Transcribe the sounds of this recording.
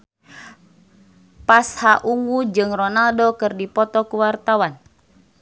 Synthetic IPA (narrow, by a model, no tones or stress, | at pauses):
pashaʔuŋɡud͡ʒɨŋrɔnaldɔkɨrdipɔt̪ɔkuwart̪awan